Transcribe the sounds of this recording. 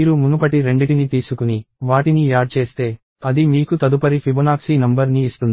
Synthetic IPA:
iːɾumunupɐʈiɾe̞ɳɖiʈinit̪iːsukuniʋaːʈiniaːɖ̚t͡ʃe̞ːst̪e̞ː | ɐd̪imiːkut̪ɐd̪upɐɾipʰibɐnaːksinɐmbɐɾniːst̪und̪i

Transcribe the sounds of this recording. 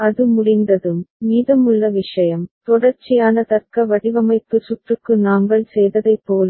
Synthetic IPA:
ɐðɯmʊɽɪnd̪ɐðɯmːiːðɐmʊɭːɐʋɪʂɐjɐmt̪ɔɽɐɾt͡ʃɪjaːnɐt̪ɐɾkɐʋɐɽɪʋɐmɐɪp̪ːɯsʊʈrɯkːɯnaːŋɡɐɭsɛjðɐðɐɪpːoːl

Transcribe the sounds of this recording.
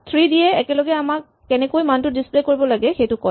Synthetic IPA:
t̪ʰɹidiɛɛkɛlɔɡɛamak̚ːɛnɛkojmantʊdisplekoɹibɔlaɡɛxejtʊkɔj

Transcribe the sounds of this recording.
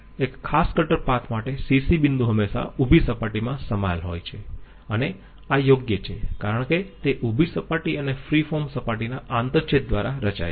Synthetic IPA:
ekʰːaskəʈəɾpak̪ʰmaʈesisibind̪ʱuɦəmːeʃa̰ubʱisəpaʈimãsəma̰jlɦo̰jt͡ʃʰe | əne | ajoɡjət͡ʃʰekaɾəɳket̪eʔubʱisəpaʈiənefɾifɔɾmsəpaʈinaʔant̪əɾt͡ʃʰet̪̚d̪ʋaɾaɾət͡ʃa̰j

